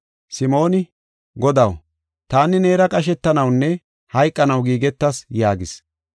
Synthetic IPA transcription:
sɪmo̞ːnɪ | ɡɔd̪ɐw | t̪aːnɪneːɾɐkʼɐʃ̬ɛt̪ːɐnɐwnːɛ | hɐjkʼːɐnɐwɡiːɡɛt̪ːɐsjaːɡɪs

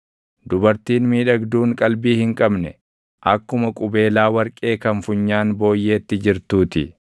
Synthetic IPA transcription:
d̪ʊbɐɾt̪iːnmiːᶑɐɡd̪uːŋkʼɐlbiːhɪŋkʼɐbnɛ | ʔɐkːʊmɐkʼʊbe̞ːlaːwɐɾkʼe̞ːkɐnfʊɲːaːnbo̞ːjːe̞ːt̪ːɪd͡ʒɪɾt̪uːt̪ɪ

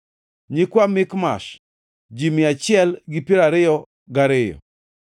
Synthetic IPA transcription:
ɲikwamɪkma̰ʃ | d͡ʒimɪat͡ʃɪɛlɡɪpiɾaɾɪjɔ | ɡaɾɪjɔ̰

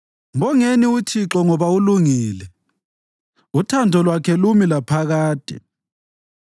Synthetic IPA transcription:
mbɔŋeniutʰiǁɔŋɔβauluŋiːlɛ | utʰandʱɔlwakʰɛlumilapʰaɣaːd̥ʱʼɛ̰

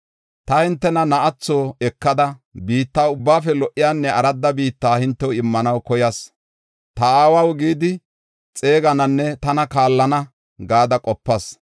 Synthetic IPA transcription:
t̪ɐhɪnt̪ːɛnɐnɐʔɐt͡sːoːɛkːɐd̪ɐbiːt̪ːaːʊbːaːfɛlɔʔɪjaːnːɛɐɾɐd̪ːɐbiːt̪ːaːhɪnt̪ːɛwɪmːɐnɐwkɔjɐs | t̪ɐaːwɐwɡiːd̪ɪ | t͡sʼe̞ːɡɐnɐnːɛt̪ɐnɐkaːlːɐnɐ | ɡaːd̪ɐkʼɔpːɐs

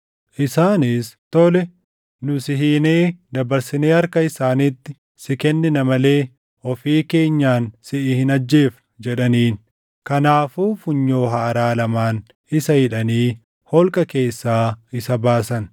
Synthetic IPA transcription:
ʔɪsaːnist̪ɔlɛ | nʊsɪɦiːneːd̪ɐbɐɾsɪneːɐɾkɐɪsaːnit̪ːɪ | sɪkɛnːɪnɐmɐle̞ː | ɔfiːke̞ːɲːaːnsɪʔɪhɪnɐd͡ʒːe̞ːf | d͡ʒɛᶑɐniːn | kɐnaːfuːfʊɲːo̞ːɦaːɐɾaːlɐmaːn | ɪsɐhɪᶑɐniː | hɔlkʼɐke̞ːsːaːɪsɐbaːsɐn

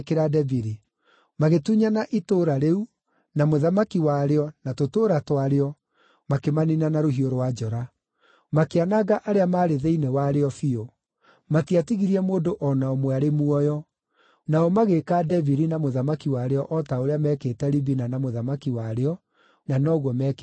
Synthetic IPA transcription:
keɾadɛviɾi | maɣetuɲanaʔitoːɾaɾeu | namoðamakiwaɾeɔnatotoːɾatwaɾeɔ | makemaninanaɾoɦioɾwad͡ʒɔɾa | makeanaɣaʔaɾeamaːɾeðeinewaɾeɔfio | matiatiɣiɾiɛmoːdoʔɔnaɔmweaɾemuɔjɔ | naɔmaɣekadɛviɾinamoðamakiwaɾeɔʔɔtaoɾeamɛːketɛɾibinanamoðamakiwaɾeɔ | nanɔːɣwɔmɛk

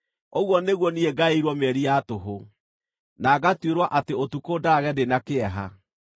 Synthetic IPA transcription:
oɣwɔneɣwɔnieɡaeɾwɔmɛɾiatoɦo | naːɡatweɾwaʔateotukodaɣɛdenakeɛɦa̰

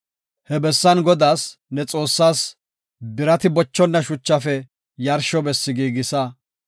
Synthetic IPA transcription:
hɛbɛsːɐnɡɔd̪aːsnɛt͡sʼo̞ːsːaːs | bɪɾɐt̪ɪbɔt͡ʃːɔnːɐʃʊt͡ʃːɐfɛ | jɐɾʃɔbɛsːɪɡiːɡɪsɐ

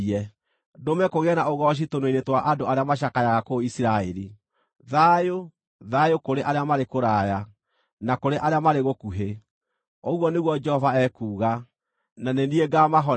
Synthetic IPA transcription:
ɛ | domɛkoɣeɛnaoɣɔɕ̬itonweinetwaʔadoaɾeamaɕ̬akajaɣakoisiɾaɛɾi | ðajo | ðajokoɾeʔaɾeamaɾekoɾaja | nakoɾeʔaɾeamaɾeɣokuɦe | oɣwɔneɣwɔd͡ʒɛhɔvaɛkuːɣa | nanenieɡamaɦɔ

